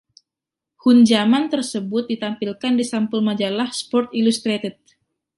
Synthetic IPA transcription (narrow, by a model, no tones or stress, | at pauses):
hund͡ʒamant̪ərsəbʊt̪̚dit̪ampilkandisampulmad͡ʒalahspɔrt̪ilust̪ɾet̪ət̪̚